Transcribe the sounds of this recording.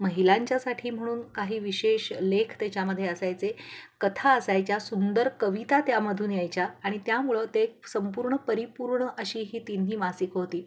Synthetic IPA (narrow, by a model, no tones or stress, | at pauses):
məɦilaɲt͡ɕjasaʈʰiːm̤əɽ̃uːnkaɦiːʋiɕeɕlekʰt̪jat͡ɕjaməd̪ʱjeəsajt͡sekət̪ʰaəsajt͡ɕjasund̪əɾkəʋit̪at̪jaməd̪ʱuːnjajt͡ɕjaːɽ̃it̪jamuɭət̪esəmpuːɾɳəpəɾipuɾɳəʔəɕiːɦiːt̪in̤ːiːmasikɦot̪iː